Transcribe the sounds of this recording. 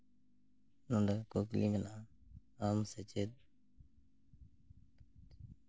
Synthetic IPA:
nʊɳɖakoːklḭːnənaː | aːmset͡ʃeːd̪̚

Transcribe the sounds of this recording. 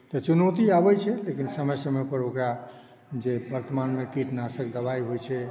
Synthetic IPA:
t̪ɔt͡ʃunəwt̪iabɛt͡ʃʰɛlekinsəməjsəmɛpəɾokɾa | d͡ʒebəɾt̪əmanmekiʈnasəkd̪əbaiɦojt͡ʃʰɛ

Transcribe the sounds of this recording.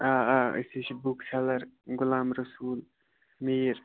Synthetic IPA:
aə̰sit͡ʃʰibukt͡ʃʰalɐɾɡʊlaːmɾəsuːl | miːɾ

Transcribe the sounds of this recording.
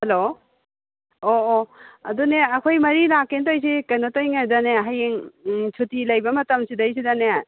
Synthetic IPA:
hɐlo | oːɐduneɐkʰojmɐɾilakːentojs̬ikɐjnotojŋadaneɦajeŋsʰutilɐjbɐmɐtɐmsidɐjsidane

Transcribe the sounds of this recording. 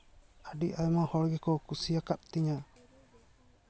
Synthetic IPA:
aɖiʔajmahɔɽɡɛkɔkusijakap̚t̪iɲa

